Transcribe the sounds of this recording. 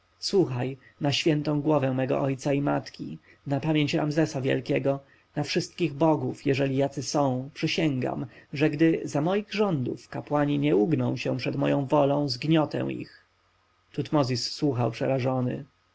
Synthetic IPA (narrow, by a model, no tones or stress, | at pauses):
swuxajnaɕfʲjɛnt̪ɔ̃w̃ɡwɔvɛ̃mɛɡɔ̰ʔɔjt̪saimat̪kʲḭ | napamʲjeɲt͡ɕɾamzɛsavʲjɛ̰lkʲɛɡɔ | nafʂɘst̪̚kʲiɣbɔɡufjɛʐɛlʲijat̪sɘsɔ̃w̃pʂɘɕɛŋɡa̰mʐɛɡd̪ɘzamɔjiɣʐɔnd̪ufkapwaɲiɲɛuɡnɔ̰̃w̃ɕɛ̃pʂɛd̪mɔ̰jɔ̃w̃vɔlɔ̃w̃zɡɲɔt̪ɛ̰̃w̃ḭx | t̪ut̪mɔzʲisːwuxawpʂɛɾaʐɔnɘ̰